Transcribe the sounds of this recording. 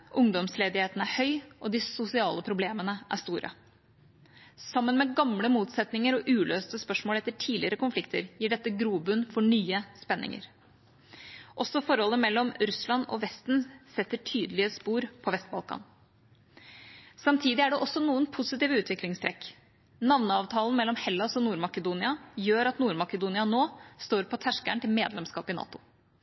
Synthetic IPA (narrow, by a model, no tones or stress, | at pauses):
ʔʊŋd̪ɔmsleːd̪ɪheːt̪n̩æhœʏʔɔd̪ɪsʊsɪɑːləpʰɾʊbleːmənəʔæʂt̪uːɾʔə̰ | sɑmːənmɛɡɑmləmuːt̪sɛt̪nɪŋəɾɔʔʉːløːst̪əspœʂmoːlɛt̪ːəʈʰiːlɪəɾəkʊnflɪkt̪əɾjiːɖɛt̪ːəɡɾuːbʉnfɔɳyːəspɛnːʔɪ̰ŋə̰ɾ | ʔɔsːɔfɔɾhɔlːəmɛlːɔmɾʉslɑnɔ̰ʋɛst̪n̩sɛt̪ːəʈʰyːd̪əlɪəspuːɾpʰɔʋɛst̪̚bɑ̰lˠkɑ̰ːn | sɑmt̪ʰiːd̪ɪæɖɛʔɔsɔnuːənpʰʊsɪt̪iːʋəʉːt̪ʋɪklɪŋst̪ʰɾɛk | nɑʋnəɑːʋt̪ʰɑːlən̩mɛlːɔmhɛlːɑsɔnuːɾmɑkəd̪uːnɪɑjøːɾɑt̪nuːɾmɑkəd̪uːnɪɑnoːst̪oːɾpʰɔt̪ʰæʂkæɳʈ̪ɪlmeːd̪lɛmskɑ̰ːpɪnɑ̰ːt̪ʊ